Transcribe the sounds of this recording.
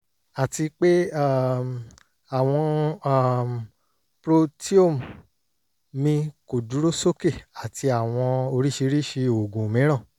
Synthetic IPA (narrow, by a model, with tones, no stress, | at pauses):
a˨ti˧k͡pe˦a˦˨ | a˦˨w̃ɔ̃˧a˦˨ | pɾo˧ti˦o˦˨m˨ | mĩ˧ko˨du˨˦ɾo˦so˦ke˦˨a˨ti˧a˨w̃ɔ̃˧o˧ɾi˦ʃi˧˦ɾi˦ʃi˧o˨ɡũ˨mĩ˨˦ɾ̃ã˦˨